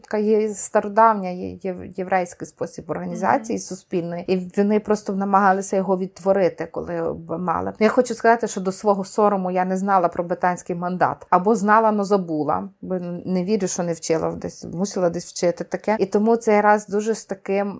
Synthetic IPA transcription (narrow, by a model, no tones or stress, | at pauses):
t̪kɑjɛst̪ɐɾɔd̪ɑwnʲɐjjeʋʔɛjsʲkɪjspɔsʲibɔrɦɐnʲizɑ̰t͡sʲijisʊspʲilʲnɔjiiʋʲɔnɪpɾɔst̪ɔnɐmɐɦɑlˠɪsʲɐjɔɦɔʋʲid̪̚t̪ʋɔɾɪt̪ɪkɔ̰lˠɪbmɑ̰lˠɪ̰jaxɔt͡ʃʊskɐzɑt̪ɪʃt͡ʃɔd̪ɔsʋɔɦɔsɔɾɔmʊjanɛznɑlˠɐpɾɔbɾɪt̪ɑnʲsʲkɪjmɐnd̪ɑ̰t̪ɐbɔznɑlˠɐnɔzɐbulˠɐ̰bnneʋʲiɾʲʊʃt͡ʃɔnɛwt͡ʃɪlˠɐ̰d̪ɛsʲmusʲilˠɐd̪ɛsʲʋwt͡ʃɪt̪ɪt̪ɐkɛit̪ɔmut̪sɛjɾɑzd̪uʒɛst̪ɐkɪm